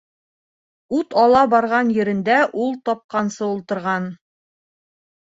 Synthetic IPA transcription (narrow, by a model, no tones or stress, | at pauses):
ut̪ɒlˠɑbɑɾʁɑnjɵ̆ɾɘ̆nd̪æʔulˠt̪ɒp̚qɑnsɤulˠt̪ɤ̆ɾʁɑn